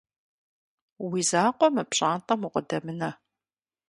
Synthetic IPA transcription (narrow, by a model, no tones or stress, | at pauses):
wiːzaːqʷɔmɨpɕʼaːntʼɐmuqədɐmɨnɐ